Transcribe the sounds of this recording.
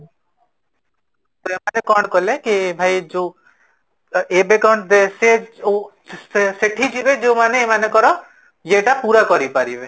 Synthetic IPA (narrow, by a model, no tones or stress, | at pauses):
t̪ɔemanekɔɳkɔlekibʱaid͡ʒo | ebekɔɳd̪eseo | seʈʰid͡ʒibed͡ʒomaneemanekɔɾɔ | jeʈapuɾakɔɾipaɾibe